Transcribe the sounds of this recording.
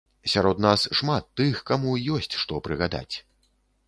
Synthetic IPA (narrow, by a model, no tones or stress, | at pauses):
sʲaɾɔd̪nasʂmat̪ːɨxkamujɔsʲt͡sʲʂt̪ɔpɾɨɣad̪a̰t͡sʲ